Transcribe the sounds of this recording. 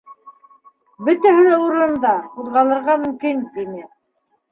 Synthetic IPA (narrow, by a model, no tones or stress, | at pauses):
bɵ̆t̪æɦɵ̆lɘuɾɤ̆nd̪ɑuðʁɑlˠɤ̆ɾʁɑmɵ̆mkint̪inɘ